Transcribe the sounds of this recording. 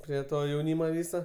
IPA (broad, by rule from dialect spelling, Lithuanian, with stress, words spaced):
ˈpʲrʲiɛ ˈtoː jɛʊˈnʲiːmoː ˈʋʲiːsoː